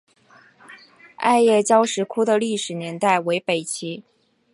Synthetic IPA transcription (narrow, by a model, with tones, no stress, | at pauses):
a̰˥˧ɪjɛ˥˩t͡ɕjɑ˥ʊʂɻ̩˧˥kʰu˥d̪ə˨li˥˩ʂɻ̩˨˩njɛ˧˥nt̪a˥˩ɪwe˧˥ɪpe˨˩ɪt͡ɕʰi˧˥